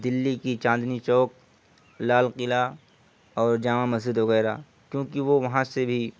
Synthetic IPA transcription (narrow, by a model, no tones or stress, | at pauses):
d̪ɪlːikit͡ʃãːnd̪nit͡ʃɔːk̚ | laːlqɪla | ɔːɾd͡ʒaːʋãmɐzd͡ʒɪd̪ʋɐɣɛːɾa | kjõːkiʋoʋɐɦãsebʱi